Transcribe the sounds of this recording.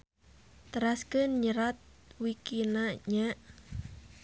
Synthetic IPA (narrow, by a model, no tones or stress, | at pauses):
t̪əɾaskənɲəɾat̪̚wikinaɲaʔ